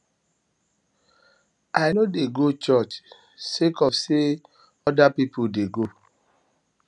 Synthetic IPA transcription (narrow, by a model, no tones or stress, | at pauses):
ajnodeɡot͡ʃɔt͡ʃ | sekɔfse | ɔdapipudeɡo